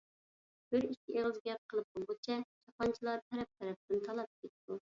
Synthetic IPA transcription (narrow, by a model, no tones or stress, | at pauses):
b̥ɪɾikʲʰːiʔeʁlˠɨzɡʲɛp̚qʰəlˠɨp̚bolˠbot͡ʃʰɛd͡ʒɑpɑnt͡ʃʰilˠɑɾt̪ʰɛɾɛp̚t̪ʰɛɾɛp̚d̪ɪnt̪ʰɑlˠɑp̚kʲʰet̪t̪u